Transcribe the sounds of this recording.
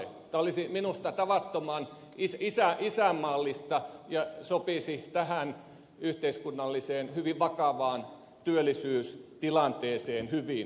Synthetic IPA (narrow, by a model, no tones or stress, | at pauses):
t̪æolisiminust̪ɑt̪ɑʋɑt̪ːomɑn | isisæʔisæmːɑlːist̪ɑjɑsopisit̪æhæn | yht̪eiskunːɑlːiseːnhyʋiʋʋɑkɑʋɑːn | t̪yølːˑisyːst̪ilɑnt̪eːseːnhyʋin